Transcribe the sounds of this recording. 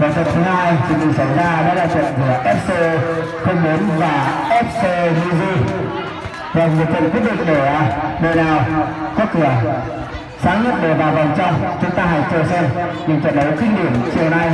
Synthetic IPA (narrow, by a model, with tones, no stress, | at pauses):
vəː˨˩t̪ə̰˨˧˨nt̪ʰɨ˨˦haː˧jt͡ɕʰḭ˧˩˨kɨ̰˧˩ŋsa˧˩jzaː˧ɗɔ˨˦laː˧˩t̪wḭ˧˨nkɨ˧˩əʔɛ˦˥p̚se˧ | xə˧wŋ͡mɓo˨˦nvaː˨˩ʔɛ˦˥p̚se˧lu˧zi˧ | ve˨˩mɨ˨˩˨t̪wḭ˧˨ŋki˦˥t̚ɗḭ̈˧˨ŋ̟ɗe˧˩˧ɗə˨˩naː˨˩wkɔ˨˦˥k̚k̪ɨ˧˩ə | saː˨˦nə̰˨˧˨ɗə˧˩ɓaː˨˩va˨˩nt͡ɕɔ˧t͡ɕʊ˨˦ŋ͡mt̪aː˧ɦa̰˧˨jt͡ɕːəsə˧nɲɨ˧˩t͡ɕ̪wḭ˧˨nɗə˨˦wkï˧ŋ̟ɗi˧˩əmt͡ɕi˨˩əwna˧j